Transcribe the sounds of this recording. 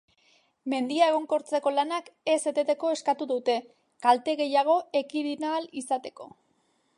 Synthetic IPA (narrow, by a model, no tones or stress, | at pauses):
me̞nd̪iae̞ɣ̞o̞ŋko̞ɾt͡se̞ko̞lanake̞se̞t̪et̪e̞ko̞e̞skat̪uðut̪e̞ | kalt̪e̞ɣe̞jaɣ̞o̞e̞kiðinalisat̪e̞̥ko̞̰